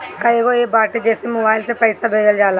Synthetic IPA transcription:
kəeːɡoːeːbaːʈed͡ʒɛːsemoːbaːɪlsepəːsaːbʱeːd̪əld͡ʒaːl

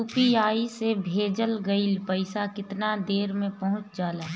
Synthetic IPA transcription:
upiaːisebʱeːd͡ʒəlɡəɪlpɐɪsakɪt̪nad̪eːɾmẽpɐɦʊ̃t͡ʃd͡ʒaːlaː

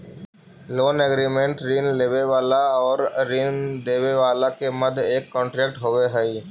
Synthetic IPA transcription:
loːnɛɡɾiːmẽɳʈɾiːnleːʋeʋaːlaɔːɾɾiːnd̪eːʋeʋaːlakemɐd̪ʱeːkːɔ̃ːɳʈɾeːk̚ʈɦoʋeɦɛi

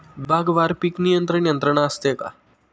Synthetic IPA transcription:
bʱaɡʋaɾpiknijənt̪ɾənijənt̪ɾəɳ̃aːst̪eka̰

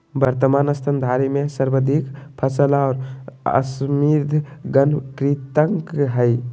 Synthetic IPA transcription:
bəɾt̪əmaːnɐst̪ʰənd̪ʱaːɾimẽsəɾbəd̪ʱikpʰəsəlaɔːɾə̰smiɾd̪ʱɡənkɾit̪əŋkɦəj

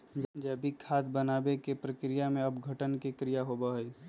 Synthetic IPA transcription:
d͡ʒd͡ʒɛbʱikʰaːd̪bənaːbekepɾəkɾijamẽɐbɡʱəʈənkekɾijaɦobəɦəi

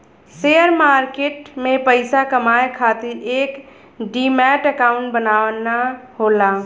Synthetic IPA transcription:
seːəɾmaːɾkeːʈmẽpəɪsakɐmaːekʰaːt̪iɾeːk | ɖiːmɛːʈəkaːʊ̃ɳʈbənaːʋnaɦoːlaː

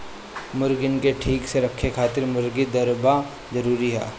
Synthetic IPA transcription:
mʊɾɡɪnkeʈʰiːkseɾɐkʰːekʰaːt̪ɪɾmʊɾɡid̪ɐɾba | zɐɾuːɾiɦɛ̰ː

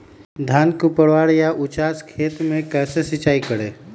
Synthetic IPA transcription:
d̪ʱaːnkupəɽʋaːɽjaʔʊt͡ʃaːskʰeːt̪mẽkɛːsesɪt͡ʃaːikəɽeː

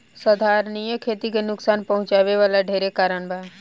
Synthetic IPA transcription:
səd̪ʱaːɾnijə̃kʰeːt̪ikenʊksaːnpɐɦʊ̃t͡ʃaːʋeʋaːlaɖʱeːɾekaːɾəɳ̃baː

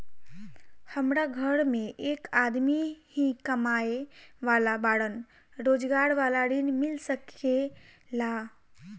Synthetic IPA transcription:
həmɾaɡʱəɽmeʔekad̪mihĩkəmaeʋalabaɽən | ɾod͡ʒɡaɾʋalaɾinmilsəkela

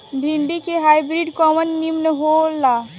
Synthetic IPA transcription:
bʱiɳɖikeɦaibɾiɖkɔmənːimneɦola

